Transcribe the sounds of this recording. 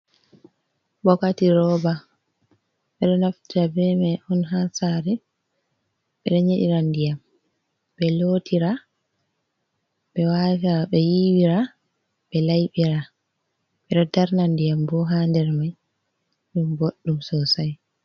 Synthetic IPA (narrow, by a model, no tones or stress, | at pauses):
bɔkatiɾɔba | ɓɛɗɔnaftiɾabɛmaʔɔnɦansaːɾɛ | ɓɛ̰ɗɔɲeɗḭɾandijam | ɓɛloːtʰiɾa | ɓɛwavaɓɛjiwiɾa | ɓɛlajɓiɾa | ɓɛɗɔdaɾnandijambɔɦandɛɾmaj | ɗumboɗːumsɔsaj